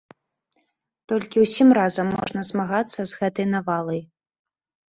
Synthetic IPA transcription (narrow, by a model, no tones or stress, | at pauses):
t̪ɔlʲkʲiwsʲimɾazɐmːɔ̰ʐnɐzmaɣat̪sːɐzɣɛt̪ɐjnavalˠɐj